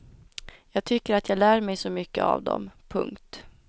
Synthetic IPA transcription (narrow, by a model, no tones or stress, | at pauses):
jɑːɡ̚t̪ʰʏkːəɾat̪jɑːɡlæːɾmɛjsɔmʏkːəa̰vd̪ɔ̰mpʰɵ̰ŋkt̪